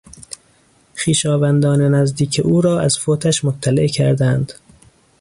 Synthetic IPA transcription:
χiːʃɒːvænd̪ɒːnenæzd̪iːkʰeʔuːɾɒːæz̥foːt̪ʰæʃmot̪ʰːælḛʔcʰæ̰ɾd̪ænd̪̥

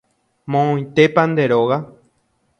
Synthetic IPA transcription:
mõõj̃t̪e̞pand̪e̞ɾoɣa

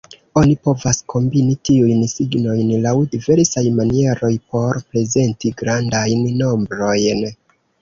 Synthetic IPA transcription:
o̞nipo̞vaskʰo̞mbinitiujnsiɡno̞jnlawdive̞ɾsajmanie̞ɾo̞jpo̞ɾpɾe̞ze̞ntiɡɾandajnːo̞mbɾo̞jn

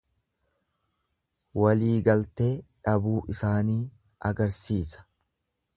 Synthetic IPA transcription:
wɐliːɡɐlt̪eːᶑɐbuːʔɪsaːniː | ʔɐɡɐɾsiːsɐ̥

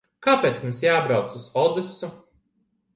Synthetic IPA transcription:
kaːpeːt̪smũmsjaːbɾawt̪suz̥ɔd̪ɨsu

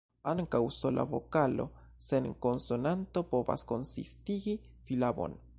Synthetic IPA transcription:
aŋkawsolʔa̰βo̰kalo̰ | seŋkonsonant̪opoba̰skonsḭst̪iɡi | silabo̰n

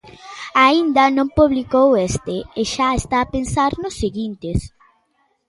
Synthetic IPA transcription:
aind̪ɐnõmpuβlikowest̪eeʃaest̪aːpensaɾnʊsːeɣint̪ɪs

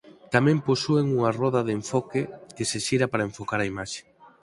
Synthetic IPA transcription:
t̪amɛ̃mposueŋuŋɐrɔðɐðeɱfɔkɪkɪseʃiɾɐpaɾɐeɱfokaɾɐimaʃe̥

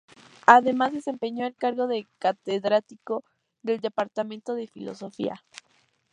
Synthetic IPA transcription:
aðe̞mazðe̞se̞mpe̞ɲo̞elkaɾɣo̞ðekat̪eðɾat̪iko | ðe̞ld̪e̞paɾt̪amẽnt̪o̞ðe̞filo̞̰so̞fḭa̰

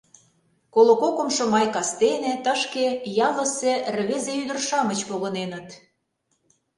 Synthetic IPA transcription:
kolokokomʃŏmɑjkɑst̪enĕt̪ə̆ʃkejɑlə̆sĕrβezeyd̪ə̆rʃɑmət͡ɕpoɣɤ̆nenə̆t̪

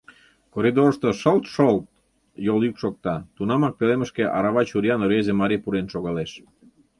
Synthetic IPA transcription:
koɾid̪oɾʃt̪oʃolt̪ʃolt̪̚ | jolykʃok̚t̪ɑt̪unɑmɑk̚peleməʃkeʔɑɾɑβɑt͡ɕuɾiɑnoɾezemɑɾipuɾenʃoɣɑleʃ

